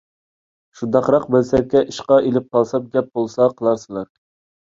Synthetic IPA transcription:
ʃund̪ɑqɾɑqbelsɛɾkʲːɛʔiʃqɑʔelɪp̚qʰɑlˠsɑp̚ɡʲɛp̚b̥olˠsɑqʰəlˠɑɾsɨlˠɑɾ

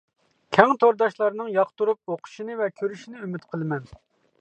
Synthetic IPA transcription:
kʲʰɛŋt̪ʰoɾd̪ɑʃlˠɑɾnɨŋjɑqt̪uɾup̚oqʰʊ̥ʃinɨvɛkʲʰøɾyʃinɪymyt̪qʰəlˠɨmɛn

